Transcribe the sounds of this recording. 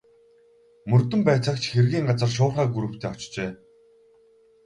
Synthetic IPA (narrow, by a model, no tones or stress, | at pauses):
mɵrt̪ɵ̆mpæːt͡sə̆kt͡ɕʰxerɣiːŋɢat͡sə̆rʃ̬ʊːrχaːɡuɾŭw̥t̪ʰeːɔt͡ɕt͡ɕeː